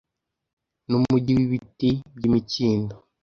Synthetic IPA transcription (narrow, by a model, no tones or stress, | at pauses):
nuuɟiwiβitibɟimiciːndo